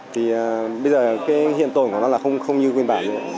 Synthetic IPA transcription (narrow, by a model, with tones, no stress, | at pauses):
t̪ʰi˨˩˨ɓə˧jzəː˨˩kaː˨˦jɦḭ˧˨ənt̪o˨˩jku˧˩nɔ˨˦laː˨˩xə˧wŋ͡mxə˧wŋ͡mɲɨ˧kwi˧ənɓaː˧˩zɨ˧ə˨